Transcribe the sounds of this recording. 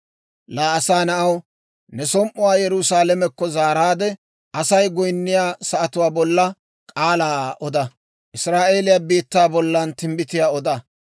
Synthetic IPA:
laːɐsaːnɐʔɐw | nɛsɔmʔʊwaːjɛɾʊsaːlɛmɛkːɔzaːɾaːd̪ɛ | ʔɐsɐjɡɔjnːɪjaːsɐʔɐt̪ʊwaːbɔlːɐ | kʼaːlaːɔd̪ɐ | ʔɪsɾaːʔe̞ːlɪjabiːt̪ːaːbɔlːɐnt̪ɪmbɪt̪ɪjaːɔd̪ɐ

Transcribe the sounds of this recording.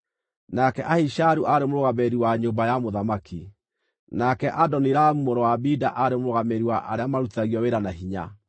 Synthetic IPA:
nakɛʔahiʃaɾuʔaɾemoɾoɣamɛɾiwaɲombajamoðamaki | nakɛʔadɔniɾamumoɾɔwabidaʔaɾemoɾoɣamɛɾiwaʔaɾeamaɾutaɣiɔweɾanaɦiɲa̰

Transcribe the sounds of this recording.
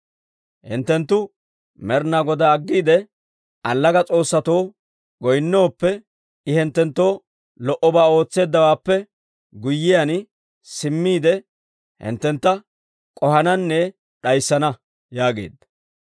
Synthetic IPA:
hɪ̰nt̪ːɛnt̪ːʊ | mɛɾnaɡɔd̪ɐːɡːiːd̪ɛ | ʔɐlːɐɡɐt͡sʼo̞ːsːɐt̪o̞ː | ɡɔjnːo̞ːpːɛ | ɪhɪnt̪ːɛnt̪ːo̞ː | lɔʔɔbaːo̞ːt͡sːe̞ːd̪ːɐwaːpːɛ | ɡʊjːɪjɐn | sɪmːiːd̪ɛ | hɪ̰nt̪ːɛnt̪ːɐ | kʼɔhɐnɐnːɛ | ɗɐjsːɐnɐ | jaːɡḛːd̪ːɐ

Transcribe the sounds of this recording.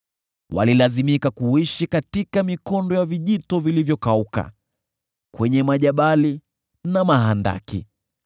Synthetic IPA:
wa̰lilazimikakuiʃikatikamikɔndɔjaviʄitɔvilivjɔkauka̰ | kwɛɲɛmaʄaɓali | namaɦanda̰kḭ

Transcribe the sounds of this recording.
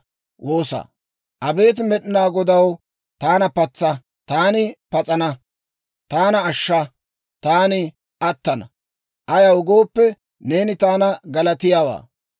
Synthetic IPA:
wʔo̞ːsɐ̰ | ʔɐbe̞ːt̪̬mɛɗɪnaːɡɔd̪ɐw | t̪aːnɐpɐt͡sːɐ | t̪aːnɪpɐt͡sʼɐnɐ | t̪aːnɐːʃːɐ | t̪aːnɪ | ʔɐt̪ːɐnɐ | ʔɐjɐwʊɡo̞ːpːɛ | ne̞ːnɪt̪aːnɐɡɐlɐt̪ɪjaːwa̰ː

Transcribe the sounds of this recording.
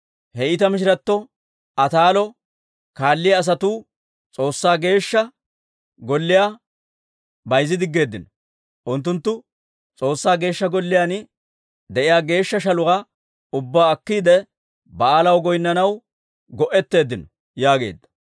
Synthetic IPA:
hɛɪt̪ɐmɪʃ̬ɪɾɐt̪ːɔ | ʔɐt̪aːlɔ | kaːlːɪjɐːs̬ɐt̪uː | t͡sʼo̞ːsːaːɡe̞ːʃːɐ | ɡɔlːɪjaː | bɐjzːɪd̪ɪɡːe̞ːd̪ːɪnɔ | ʔʊnt̪ːʊnt̪ːʊ | t͡sʼo̞ːsːaːɡe̞ːʃːɐɡɔlːɪjaːn | d̪ɛʔɪjaːɡe̞ːʃːɐʃɐlʊɐ | ʊbːaːkːiːd̪ɛ | bɐaːlɐwɡɔjnːɐnɐw | ɡɔʔɛt̪ːe̞ːd̪ːɪnɔ | jaːɡe̞̰ːd̪ːɐ̥

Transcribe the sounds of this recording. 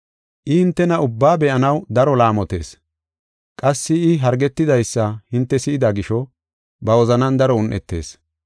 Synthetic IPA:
ʔɪhɪnt̪ːɛnɐʊbːaːbɛʔɐnɐwd̪ɐɾɔlaːmɔt̪e̞ːs | kʼɐsːɪɪɦɐɾɡɛt̪ːɪd̪ɐjsːɐhɪnt̪ːɛsɪɪd̪aɡɪʃɔ | bɐwɔzɐnɐnd̪ɐɾɔʊnʔɛt̪ːe̞̰ːs

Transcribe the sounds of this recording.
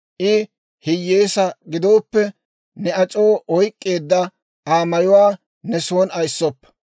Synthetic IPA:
ʔɪ | hɪjːeːsɐɡɪd̪o̞ːpːɛ | nɛɐt͡ʃʼo̞ːʔɔjkʼːe̞ːd̪ːɐ | aːmɐjʊwaː | nɛso̞ːnɐjsːɔpː

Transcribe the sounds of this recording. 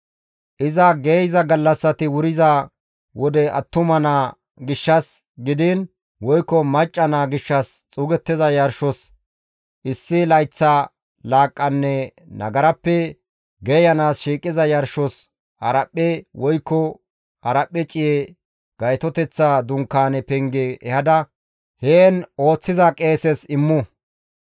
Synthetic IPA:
ʔɪzɐɡejzɐɡɐlːɐsːɐt̪ɪwʊɾɪzɐ | wɔd̪ɛɐ̰t̪ːʊmɐna | ɡɪʃːɐs | ɡɪd̪ɪn | wɔjkːɔmɐt͡ʃʼːɐnaɡɪʃːɐst͡sʼuːɡɛt̪ːɪzɐjɐɾʃɔs | ʔɪsːɪlɐjt͡sːa | laːkʼːɐnːɛ | nɐ̰ɡɐɾɐpːɛ | ɡɛjɐnaːsʃiːkʼːɪzɐjɐɾʃɔs | hɐɾɐpʼːɛwʔɔjkːɔ | hɐɾɐpʼːɛt͡ʃʼɪjɛ | ɡ̥ɐjt̪ɔt̪ɛt͡sːaːd̪ʊŋkːaːnɛpɛŋɡɛʔːhɐd̪ɐ | heːno̞ːt͡sːɪzɐkʼeːsɛsɪmːʊ

